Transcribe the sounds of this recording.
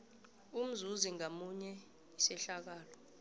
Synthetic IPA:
um̩zuziŋamuɲɛ | isɛɬak̬aːlɔ

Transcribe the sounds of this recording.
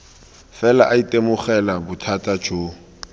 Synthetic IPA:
fɛlaʔaitʼemʊχɛlabʊtʰatʼad͡ʒʰo

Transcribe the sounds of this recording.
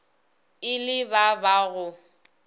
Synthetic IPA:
ɪlɪbabaɣʊ

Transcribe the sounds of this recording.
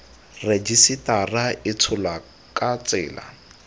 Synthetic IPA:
red͡ʒisɪtaraɪt͡sʰʊla | kat͡sɪ̰ːla̰

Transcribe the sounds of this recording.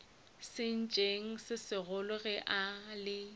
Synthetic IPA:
sɪn̩t͡ʃʼeŋ̩sɪsɪɣʊlʊɣɛʔalɪ

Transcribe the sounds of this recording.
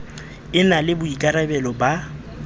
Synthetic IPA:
ɪnalɪbʊikʼaɾabɛlɔba

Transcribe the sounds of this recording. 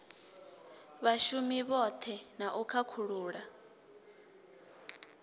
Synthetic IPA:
βaʃumiβɔt̪ʰɛnaʔukʰakʰuɺuːɺa

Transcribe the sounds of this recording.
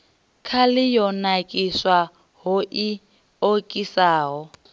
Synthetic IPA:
kʰalɪjɔnakʼiswa | ɦʊʔi | okʼisaːɦɔ

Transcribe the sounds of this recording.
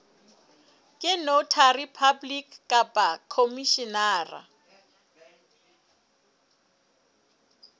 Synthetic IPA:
kʼɪnotʰaripʰablikkʼapʼakʰomiʃinaːra̰

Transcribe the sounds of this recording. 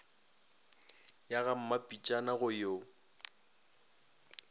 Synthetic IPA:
jaɣam̩mapʼit͡ʃʼanaɣʊjo

